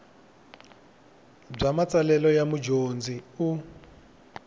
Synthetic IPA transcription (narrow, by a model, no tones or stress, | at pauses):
b͡ʐamat͡sʼalɛlɔjamud͡ʒond͡ziu